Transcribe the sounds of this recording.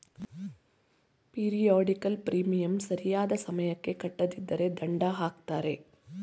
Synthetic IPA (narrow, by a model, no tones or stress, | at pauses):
piːɾijoːɖikɐlpɾiːmijɐmsɐɾijaːd̪ɐsɐmɐjɐkːe̞kɐʈːɐd̪id̪ːɐɾe̞d̪ɐɳɖaɦaːkt̪aːɾe̞